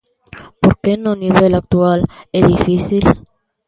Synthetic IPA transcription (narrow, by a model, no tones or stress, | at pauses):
poɾkenoniβelak̚t̪ualeðifisil